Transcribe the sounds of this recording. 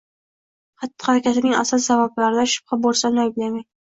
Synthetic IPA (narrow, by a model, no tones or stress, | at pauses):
hɑt̪ːɪ̥haɾakʲat̪ɪnɪŋa̰sɨlsavablaɾɪd̪aʃʊ̥b̥̚habolˠsanɒjɪblamaj